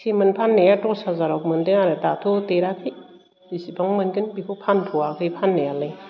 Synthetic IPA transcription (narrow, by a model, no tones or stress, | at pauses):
sʰimɯnpʰanːejatɔsazaɾɔk̚mɯndeŋaɾɯtatʰuteɾapʰi | isipʰaŋmɯnkɯnbikʰopʰanpʰuwakʰɯjpʰanːejalɯj